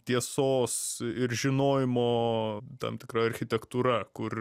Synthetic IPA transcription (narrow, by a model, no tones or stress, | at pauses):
t̪ʲiɛsoːsɪɾʒʲɪnoːjɪmoːt̪ɐ̰mt̪ʲɪkɾɐɐɾʲxʲɪt̪ʲɛkt̪uːɾɐkʊr